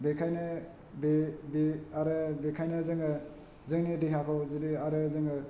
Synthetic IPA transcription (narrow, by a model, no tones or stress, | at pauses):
bekʰajnɯ | bebiaɾɯbekʰajnazɯŋɯ | zɯŋnidiɦakʰɔwzidiaɾɯzɯŋɯ